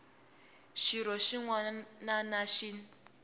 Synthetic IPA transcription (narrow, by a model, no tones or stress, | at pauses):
ʃiɾɔʃiŋwa | nanaʃin